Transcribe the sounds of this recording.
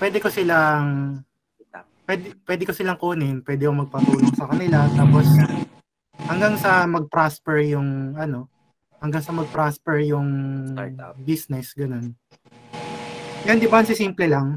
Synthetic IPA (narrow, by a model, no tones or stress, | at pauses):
pwɛːd̪ɛko̞sɪlaŋ | pwɛd̪pwɛːd̪ɪko̞sɪlaŋkuːnɪnpwɛːd̪ɪkomɐɡ̚pɐt̪uːloŋsɐkɐnɪlat̪aːpos | hɐŋɡaŋsɐmɐɡ̚pɾaspɛɹjʊŋʔɐno̞ | hɐŋɡaŋsɐmɐɡ̚pɾaspɛɹjʊŋ | bisnɛsɡɐno̞n | jond̪ɪbaɐnsɪsiːmplɛlaŋ